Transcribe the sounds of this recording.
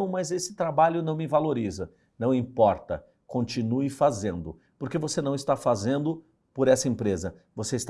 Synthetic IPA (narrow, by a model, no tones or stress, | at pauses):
w̃mɐzesɪ̥t̪ɾabaʎʊnɐ̃w̃mɪvaloɾizɐ | nɐ̃w̃ĩpɔɾt̪ɐ̰ | kõnt͡ʃinuɪfazẽnd̪ʊ | poɾkevosenɐ̃w̃ɪst̪afazẽnd̪ʊ | poɾɛsɐẽpɾezɐ | voseist̪